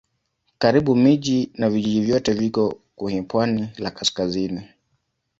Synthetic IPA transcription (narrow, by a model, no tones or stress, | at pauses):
kaɾiɓumiʄinaviʄiʄivjɔtɛvjikɔkuhɛpwanilakaskazini